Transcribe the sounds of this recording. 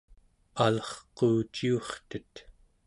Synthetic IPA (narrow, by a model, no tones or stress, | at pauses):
alʌχqoːt͡ʃioχt̪ət̪